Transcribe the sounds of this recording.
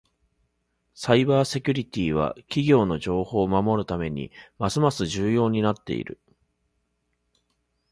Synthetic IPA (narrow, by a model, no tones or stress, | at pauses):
saibaːse̞kʲɨɾʲit̪ʲiːβ̞a̰kʲiɡʲo̞ːno̞ʑo̞ːho̞ːmamo̞ɾɯ̟t̪ame̞ɲ̟ḭmasɨmasɨʑɨːjo̞ːɲ̟inat̪ːe̞̰ḭɾɯ̟̰